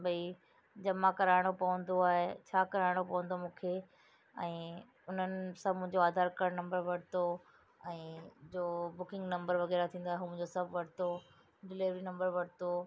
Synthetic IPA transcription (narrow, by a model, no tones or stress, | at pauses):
bɐi | d͡ʑɐmakɐɾaːɪɽ̃opɐʋə̃nd̪oaːɦet͡ɕʰaːkɐɾaɪɽ̃opɐʋə̃nd̪omũːkʰe | ɛ̃ː | ʊn̤ənɪ̆sɐbʱmʊ̃ɦɪ̃ɲd͡ʑoaːd̪ʱaːɾkɐɽnɐ̃mbəɾʋɐɽ̤t̪o | ɛ̃ːd͡ʑoːbʊkɪ̃ŋɡnɐ̃mbəɾʋɐɣɛːɾat̪ʰĩːnd̪aɦeɦuːm̃ɦɪ̃ɲd͡ʑosɐbʱʋɐɽ̤t̪o | ɖɪliːʋɾinɐ̃mbəɾʋɐɽ̤ɪt̪o